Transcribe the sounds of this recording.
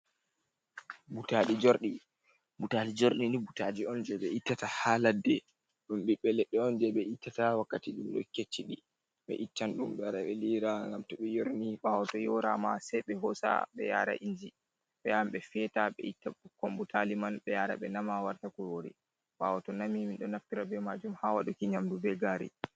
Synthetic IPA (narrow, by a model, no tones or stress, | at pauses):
butaɗid͡ʒoɾɗi | butalid͡ʒoɾɗinibutad͡ʒiɔnd͡ʒɛɓɛʔitːatahaladɛ | ɗumɓiɓːɛlɛɗːɛɔnd͡ʒɛɓɛʔitːatawakːatiɗumɗɔ̰kːet͡ʃːiɗi | ɓɛ̰ʔitːanɗumɓɛɾawɛliɾaŋɡamtɔɓɛjoɾniɓawɔtɔjɔɾa̰ma̰sɛjɓɛɦɔsa̰ɓɛ̰ja̰ɾa̰ʔiɲd͡ʒi | ɓɛjamɓɛfiɛtaɓɛ̰itːakɔmbutʰalimanɓɛjaɾa̰ɓɛnamawaɾtakuɾoɾḭ | ɓa̰wɔtɔnamiminɗɔnaftiɾabɛmad͡ʒumhawaɗukiɲamdubɛɡaːɾḭ